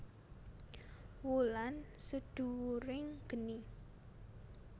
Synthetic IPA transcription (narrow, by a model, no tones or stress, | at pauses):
wulansud̪̥ṳwuɾɪŋɡ̥ə̤ni